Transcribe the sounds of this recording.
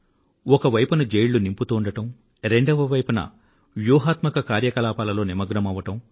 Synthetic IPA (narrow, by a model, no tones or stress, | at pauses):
ɔkɐʋɐjpunɐd͡ʒejɭːunimput̪uːɳɖɐʈɐm | ɾeɳɖɐʋɐʋɐjpunɐ̰ | ʋjuːɦaːt̪mɐkɐkaːɾjɐkɐlaːpaːlɐlo̞ːnimɐɡɾɐmɐʋɐʈɐm